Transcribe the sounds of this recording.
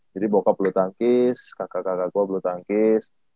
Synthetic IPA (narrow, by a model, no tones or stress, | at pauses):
d͡ʒadibokapəlot̪aŋkɪskakakakakuaplot̪aŋkɪs